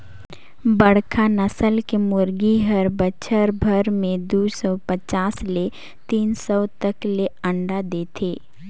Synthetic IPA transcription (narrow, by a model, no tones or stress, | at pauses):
bəɽkʰanəsəlkemʊɾɡiɦəɾbəʃʰəɾbʱəɾmẽd̪uːsɔːpət͡ʃaːsle | t̪iːnsɔt̪əkleə̃ɳɖad̪eːt̪ʰeː